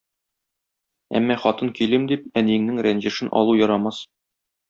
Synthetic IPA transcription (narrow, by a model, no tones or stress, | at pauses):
æ̰mːæχɒt̪ɤŋkilɘmd̪ip̚æniɘ̆ŋnɘŋɾænʑɘ̆ʃɘnʔɒ̰lˠujɒɾɑmɑs